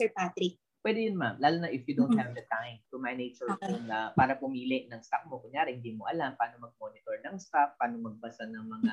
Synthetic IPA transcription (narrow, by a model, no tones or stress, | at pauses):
sɛɹpat̪ɾɪk̚ | pwɛd̪ɛjʊnmamlaːlʊnɐʔɪfjud̪ow̃nt̪̚hɛvd̪ɐt̪ajmt̪ʊmɐjnejt͡ʃʊɹanɐpaːɾɐpʊmiːlɪʔnɐŋsɐk̚mokʊŋjaːɾɛhɪnd̪iːmoʔɐlampaaːnomɐɡ̚mo̞ːnɪt̪oɹnɐŋst̪afpːaːnomɐɡ̚bɐsanɐŋmɐŋa